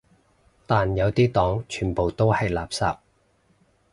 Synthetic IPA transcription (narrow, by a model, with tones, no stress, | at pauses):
t̪aː˨njɐ˨˧wt̪iː˥t̪ɔː˨˥ŋt͡ʃʰyː˨˩npo˨˩wt̪o˥whɐ˨jlaː˨psa̰ː˨p̚